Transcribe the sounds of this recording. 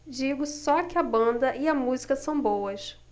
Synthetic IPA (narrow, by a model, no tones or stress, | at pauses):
d͡ʒiɡʊsɔkɪɐbɐ̃nd̪ɐʔɪɐmuzikɐsɐ̃w̃bowɐʃ